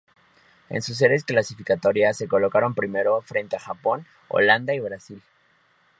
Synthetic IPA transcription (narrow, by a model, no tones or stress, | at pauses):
e̞̰nsus̬e̞ɾe̞sklasifikat̪o̞ɾjasːe̞ko̞lo̞kaɾo̞mpɾime̞ɾo̞fɾe̞nt̪eaxapo̞n | o̰land̪aiβɾasil